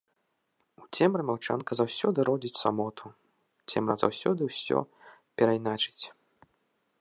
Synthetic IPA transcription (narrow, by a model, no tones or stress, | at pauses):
ut͡sʲɛmrɨmʲawt͡ʂankɐzawsʲɔd̪ɨɾɔd͡zʲit͡sʲsamɔt̪ʰu | t͡sʲɛmrɐza̰wsʲɔd̪ɨwsʲɔ̰ | pʲɛɾajnat͡ʂɨ̥t͡sʲ